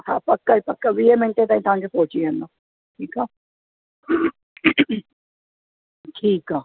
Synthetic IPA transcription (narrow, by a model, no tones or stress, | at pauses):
haːpəkːaːipəkːaːʋiːeːmɛ̃ɳt̪ẽːt̪aːĩːt̪ãːnd͡ʒpoːt͡ʃiːɛnãː | ʈʰiːkaː | ʈʰiːkaː